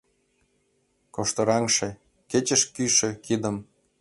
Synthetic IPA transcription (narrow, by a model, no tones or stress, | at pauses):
koʃt̪ɤ̆ɾɑŋʃĕ | ket͡ɕə̆ʃkyʃĕkid̪ə̆m